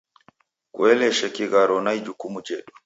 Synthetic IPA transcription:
kwɛlɛʃɛkiɣaɾɔnajd͡ʒukumud͡ʒɛɗɔ

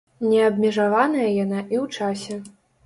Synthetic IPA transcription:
nʲɛɐbʲmʲɛʐavanɐjɐjanaʔiwt͡ʂasʲɛ

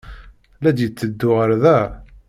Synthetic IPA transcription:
læd̪jət͡sːəd̪ːʊʁəɾðæ

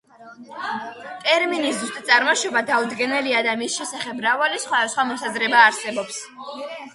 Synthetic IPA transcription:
t̪ʼɛɾminiszust̪ʼat̪sʼaɾmaʃɔbad̪aud̪ɡɛnɛliad̪amisʃɛsaχɛbːɾavalisχwad̪asχwamɔsazɾɛbaːɾsɛbɔps

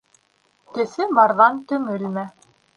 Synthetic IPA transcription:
kɘ̆sɘbɑɾðɑnt̪ɵ̆ŋɘlmæ

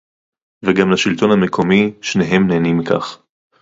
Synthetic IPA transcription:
veɡamlaʃilt̪o̞nhamekʰo̞miʃneɦe̞mneːnimika̰χ

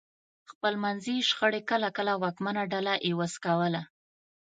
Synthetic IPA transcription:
xpəlmanziʃxəɽekəlakəlawɑkmanaɖalaʔewəskawəla

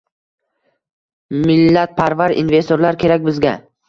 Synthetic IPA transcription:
mɪlːat̪̚pʰaɾvaɾḭnve̞st̪oɾlaɾkʲʰe̞ɾakʲbɪzɡʲa

